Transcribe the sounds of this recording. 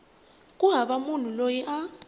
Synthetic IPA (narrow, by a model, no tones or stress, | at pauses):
kʼuɦaɓamun̤ulojiʔa